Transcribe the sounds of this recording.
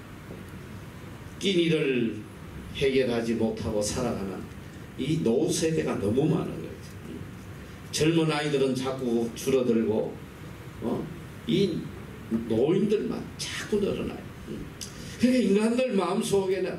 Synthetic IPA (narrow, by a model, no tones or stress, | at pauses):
k͈iɲiɾɯɭ | he̞ɡjʌɾɦad͡ʑimotʰaɡosʰaɾaɡanɯ̰n | inounsʰeɡe̞ɡanʌmuma̰nɯ̰nɡʌ̰id͡ʑo | ɯ | t͡ɕʌɭmɯnaidɯɾɯnt͡ɕak͈ut͡ɕuɾʌdɯɭɡo | ʌ̰ | i | noindɯɭma̰nt͡ɕak͈unʌ̰ɾʌ̰na̰jo | ɯ | kɯɡeiŋɡandɯɭmaɯmsʰoɡena